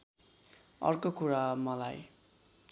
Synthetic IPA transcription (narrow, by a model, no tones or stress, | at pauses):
ʌ̰rkokuɾamʌlaj